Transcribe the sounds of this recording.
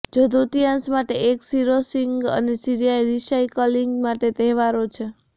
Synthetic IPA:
d͡ʒod̪ut̪ijãnsmaʈeʔeksiɾosiŋɡə̰nesiɾijajɾiʃajkɔliŋɡmaʈet̪ɛɦʋaɾot͡ʃʰe

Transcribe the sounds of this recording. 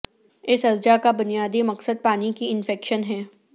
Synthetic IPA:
ɪsɐzd͡ʒakabʊnijaːd̪imɐqsəd̪̚paːnikiɪnfɛːkʃənɦɛː

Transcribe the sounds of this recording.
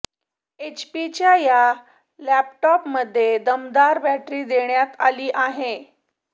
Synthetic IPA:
et͡ɕpit͡ɕjaja | læp̚ʈɔpməd̪ʱːjed̪əmd̪aɾbæʈɾiːd̪eɳjat̪aliːʔaɦe

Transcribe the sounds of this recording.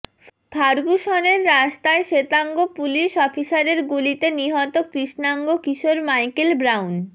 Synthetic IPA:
t̪ʰaɾɡuʃɔneɾːaʃt̪aeʃet̪aŋɡopuliʃɔfisaɾeɾɡulit̪eniɦɔt̪okɾiʃnaŋɡokiʃoɾmajkelbɾawn

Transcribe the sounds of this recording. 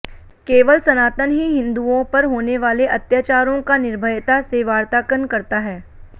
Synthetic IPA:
keːʋəlsɐnaːt̪ənɦiɦɪ̃nd̪uõpɐɾɦoːneʋaːleʔɐt̪jaːt͡ʃaːɾõkanɪɾbʱəjt̪aseʋaːɾt̪aːkənkɐɾt̪aɦɛː

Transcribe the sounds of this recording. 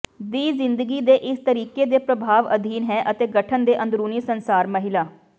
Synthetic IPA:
d̪iːzɪ̃nd̪əɡiːd̪eːʔɪst̪əɾiːkeːd̪eːpɾəbʱaːʋəd̪ʱiːnɦɛːʔət̪eːɡəʈʰənd̪eːʔə̃nd̪ɾuːniːsənsaːɾməɦɪlaː

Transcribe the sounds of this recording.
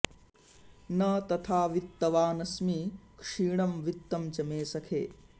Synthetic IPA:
nɐt̪ɐt̪ʰaːʋit̪ːɐʋaːnɐsmikʂiːɳɐmʋit̪ːɐmt͡ʃɐmeːsɐkʰeː

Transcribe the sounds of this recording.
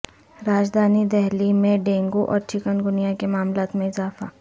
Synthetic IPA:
ɾaːd͡ʒd̪ʱaːnid̪ɛɦlimẽɖẽːŋɡoʔɔ̰ːɾt͡ʃʰɪkənɡʊnijakemaːmlaːt̪mẽɪzaːfa̰

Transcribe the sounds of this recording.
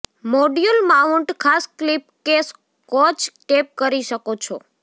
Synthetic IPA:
moɖjulmauɳʈkʰasklip̚kes | kɔt͡ʃʈep̚kəɾiʃəkot͡ʃʰo

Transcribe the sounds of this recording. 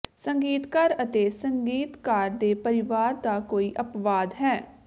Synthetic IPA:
səŋɡiːt̪kəɾət̪eːsəŋɡiːt̪kaːɾd̪eːpəɾɪʋaːɾd̪aːkoːiːʔəpʋaːd̪ɦɛː

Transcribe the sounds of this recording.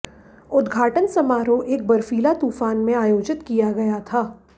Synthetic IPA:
ʊd̪ɡʱaːʈənsɐmaːɾoʔeːk̚bɐɾfiːlat̪uːfaːnmẽaːjoːd͡ʒɪt̪kijaɡɐjat̪ʰaː

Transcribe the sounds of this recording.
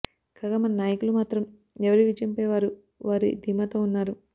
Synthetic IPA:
kaːɡaːmɐnɐnaːjɐkulumaːt̪ɾɐm | ɛʋɐɾiʋid͡ʒɐmpeːʋaːɾu | ʋaːɾḭd̪ʱimɐt̪ounːaːɾu

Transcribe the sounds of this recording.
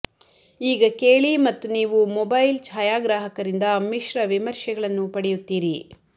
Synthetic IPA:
iːɡɐkeːɭimɐt̪ːuniːʋumɔbɐjlt͡ʃʰaːjaːɡɾaːɦɐkɐɾind̪ɐmːiʃɾɐʋimɐɾʃɐɡɐɭɐnːupɐɽɛjut̪ːiːɾi

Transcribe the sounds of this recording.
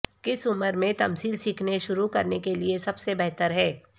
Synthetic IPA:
kɪsʊməɾmẽt̪ɐmsiːlsiːkʰneʃʊɾukɐɾnekeliesɐbsebɛɦt̪əɾɦɛː

